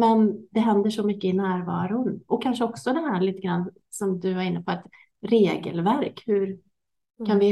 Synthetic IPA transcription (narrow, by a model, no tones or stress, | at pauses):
mɛnd̪ɛɦɛnd̪əʂɔmʏkːəɪnæːɾvɑːɾʊnɔkʰːanʂəɔksɔd̪ɛnɦæːɭiːt̪əɡɾanː | sɔmd̪ɵvaɾɪnːəpʰɔɛt̪ | ɾeːɡə̰lvæɾkhɵɾ | kʰanvɪ